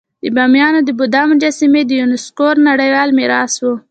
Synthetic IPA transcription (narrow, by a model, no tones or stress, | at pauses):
d̪əbɑmjɑnod̪əbʊd̪ɑmd͡ʒasimed̪əjunɪskoɾnaɽəjwɑlmɪɾɑswu